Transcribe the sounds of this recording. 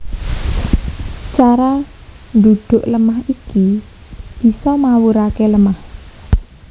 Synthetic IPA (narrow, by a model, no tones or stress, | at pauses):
t͡ʃaɾa | nd̪ud̪̥ʊ̤ʔləmahiki | b̥i̤sɔmawuɾakeləmah